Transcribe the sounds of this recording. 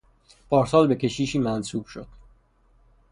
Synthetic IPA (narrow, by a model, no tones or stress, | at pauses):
pʰɒːɾsɒːlbe̞cʰʲe̞ʃiːʃiːmænsuːb̥ʃo̞̰d̪̥